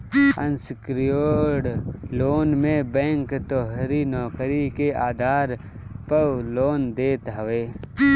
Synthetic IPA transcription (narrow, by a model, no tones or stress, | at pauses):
ə̰̃nskɾjoːɽloːnmẽbɛ̃ːŋkt̪ɔːɦɾinɔːkɾikeaːd̪ʱaːɾ | pəwloːnd̪eːt̪ɦəʋeː